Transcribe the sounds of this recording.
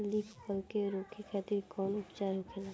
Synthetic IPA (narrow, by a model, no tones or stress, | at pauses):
liːpʰkəlkeɾoːkʰikʰɛːt̪ibikɔːnʊpt͡ʃaːɾikʰelaː